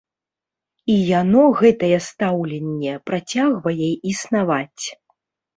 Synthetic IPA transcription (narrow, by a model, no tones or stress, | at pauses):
ijanɔɣɛt̪ɐjɛst̪awlʲɛnʲːɛpɾat͡sʲaɣvɐjɛisnavat͡sʲ